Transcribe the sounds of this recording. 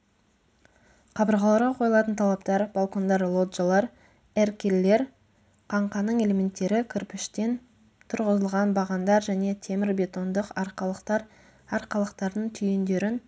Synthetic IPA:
qʰɑbəɾʁɑlˠɑɾʁɑqʰo̞jlˠɑt̪ənt̪ʰɑlˠɑp̚t̪ɑɾb̥ɑlˠko̞nd̪ɑɾlˠo̞d̪ʒalˠɑɾ | erkʲelːe̞ɾ | qʰɑɴqɑnəɴe̞le̞mʲe̞nt̪ːe̞ɾɪkʲʰʏɾpɪʃt̪e̞n | t̪ʰʊɾʁəzəlˠʁɑnbɑʁɑnd̪ɑɾʒæne̞t̪ʲʰe̞mɪɾbʲe̞t̪o̞nd̪əqɑɾˠɾ | ɑɾqɑlˠəqt̪ɑɾd̪əɴt̪ʰʏjend̪e̞ɾɪn

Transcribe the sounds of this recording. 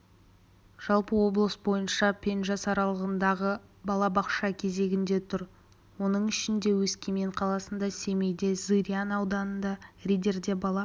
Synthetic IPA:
ʒ̥ɑlˠpəwo̞blˠəsbo̞jənʃɑpʲʰe̞nʒɑsɑɾɑlˠəʁənd̪ɑʁəbɑlˠɑbɑqʃɑkʲʰe̞ze̞ɡʲɪnd̪e̞t̪ʰʊɾ | wo̞nəɴɪʃɪnd̪e̞wɵskʲemeɴqʰɑlˠɑsənd̪ɑse̞me̞jd̪e̞zɨɾʲianɑwd̪ɑnənd̪ɑrʲijd̪e̞ɾd̪e̞bɑlˠɑ

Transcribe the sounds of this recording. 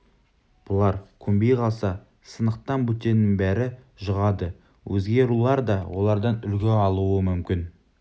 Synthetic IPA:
b̥ʊlˠɑɾkʲʰɵmbe̞jqʰɑlˠsɑ | sənəq̚t̪ɑnbut̪e̞nːɪŋbæɾɪ | ʒəʁɑd̪ə | wʔɵzɡʲe̞ɾulˠɑɾd̪ɑwʔo̞̰lˠɑɾd̪ɑnʏlɡʲeɑlˠuəmʏmkʲɪn

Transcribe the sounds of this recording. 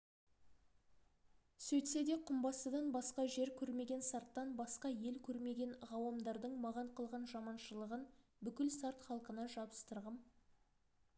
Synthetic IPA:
sɵjt̪se̞d̪e̞qʰʊmbɑsəd̪ɑnbɑsqɑʒe̞ɾkʲʰɵɾme̞ɡʲe̞nsɑɾt̪ːɑnbɑsqɑje̞lkʲʰɵɾme̞ɡʲe̞nʁɑwɑmd̪ɑɾd̪əɴmɑʁɑɴqʰəlˠʁɑnʒɑmɑnʃəlˠəʁənbʏkʲɪlsɑɾt̪χɑlˠqənɑʒɑbəst̪əɾʁəm

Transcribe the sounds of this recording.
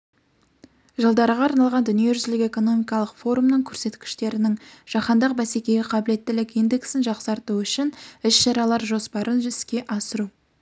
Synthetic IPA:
ʒəlˠd̪ɑɾəʁɑːɾnɑlˠʁɑnd̪ʏnije̞ʒʏzlɪkʲe̞ko̞no̞mijkɑlˠəqfo̞ɾumnəɴkʲʰɵɾse̞t̪kʲɪ̥ʃt̪e̞ɾɪnɪŋʒ̥ɑχɑnd̪ɑqbæse̞kʲe̞ɡʲɪqʰɑbɪle̞t̪ːɪlɪkijnd̪e̞ksɪnʒɑqsɑɾt̪uʏʃɪnɪʃʃɑɾɑlˠɑɾʒo̞spɑɾʔənʒʏɪskʲe̞ʔɑsəɾu

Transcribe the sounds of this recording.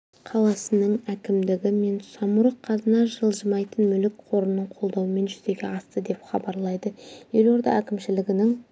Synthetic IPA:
qʰɑlˠɑsənəɴækʲɪmd̪ɪɡʲɪme̞nsɑmuɾəqʰːɑzənɑʒəlˠʒəmɑjt̪ənmʏlɪkqʰo̞ɾənːəɴqʰo̞lˠd̪ɑwəme̞nʒʏze̞ɡʲeɑst̪əd̪e̞pχɑ̰bɑɾlˠɑjd̪əje̞lo̞ɾd̪ɑ̰ækʲɪmʃɪlɪɡʲɪnɪŋ

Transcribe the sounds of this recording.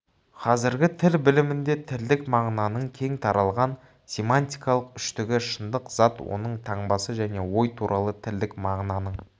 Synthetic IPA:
qʰɑzɪɾɡʲɪt̪ʰɪlbɪlɪmɪnd̪e̞t̪ʰɪld̪ɪkmɑʁnɑnəɴkʲʰe̞ŋt̪ʰɑɾɑlˠʁɑn | sʲe̞mant̪ʲijkɑlˠəqʏʃt̪ɪɡʲɪʃənd̪əqz̥ɑt̪wo̞̰nəɴt̪ʰɑɴbɑsəʒæne̞wo̞jt̪ʰuɾʔɑlˠət̪ʰɪld̪ɪkmɑʁnɑnəɴ

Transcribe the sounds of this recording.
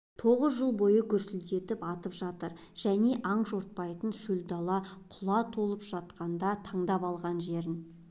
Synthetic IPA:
t̪ʰo̞ʁəzʒəlˠbo̞jəkʲʰʏɾsɪld̪e̞t̪ɪpɑt̪əpʒɑt̪əɾ | ʒ̥æne̞ʔɑɴʒo̞ɾt̪̚pɑjt̪ənʃʏld̪ɑlˠɑqʰʊlˠɑt̪ʰo̞lˠəpʒ̥ɑt̪qɑnd̪ɑt̪ʰɑɴd̪ɑpɑlˠʁɑnʒe̞ɾɪn

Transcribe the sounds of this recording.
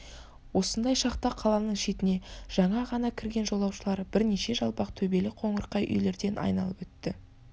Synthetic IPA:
wo̞sənd̪ɑjʃɑqt̪ɑqʰɑlˠɑnəɴʃe̞t̪ɪne̞ʒ̥ɑɴɑʁɑnɑkʲʰɪɾɡʲe̞nʒo̞lˠːɑwʃəlˠɑɾbɪɾneʃe̞ʒɑlˠpɑqt̪ʰɵbe̞lɪqʰo̞ɴəɾqɑjʔʏ̰jle̞ɾd̪e̞nʔɑ̰jnɑlˠəpwɵt̪ːɪ

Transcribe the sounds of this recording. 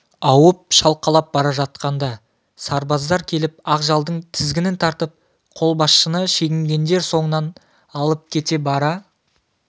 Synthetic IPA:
ɑwəp̚ʃɑlˠqɑlˠɑp̚bɑɾɑʒɑt̪̚qɑnd̪ɑ | sɑɾbɑzd̪ɑɾkʲʰe̞lɪp̚ɑqʒɑlˠd̪əɴt̪ʰɪzɡʲɪnɪnt̪ʰɑɾt̪əp̚ | qʰo̞lˠbɑsʃənəʃe̞ɡʲɪmɡʲe̞nd̪e̞ɾso̞ɴənɑn | ɑlˠəp̚kʲʰe̞t̪e̞bɑɾɑ

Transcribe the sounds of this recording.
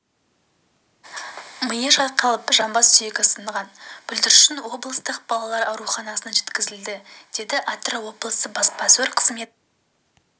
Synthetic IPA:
məjəʒɑqʰːɑlˠəpʒɑmbɑssʏjekʲɪsənəʁɑnb̥ʏld̪ɪɾʃɪnwo̞blˠəst̪əqb̥ɑlˠɑlˠɑɾɑwɾuχɑnɑsənʒe̞t̪kʲɪzɪld̪ɪd̪̥e̞d̪ɪʔat̪ɾawo̞blˠəsəbɑspɑsweɾqʰə̥zme̞t̪̚

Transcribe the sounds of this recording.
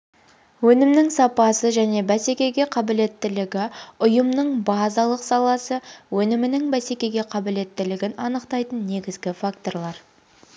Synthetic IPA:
wɵnɪmnɪŋsɑpɑsəʒæne̞bæse̞kʲe̞ɡʲe̞qʰɑbɪle̞t̪ːɪlɪɡʲɪʊjəmnəɴbɑzɑlˠəqsɑlˠɑsəwɵnɪmɪnɪŋbæse̞kʲe̞ɡʲe̞qʰɑbɪle̞t̪ːɪlɪɡʲɪnɑnəqt̪ɑjt̪ənːe̞ɡʲɪzɡʲɪfak̚t̪o̞rɾlˠɑɾ

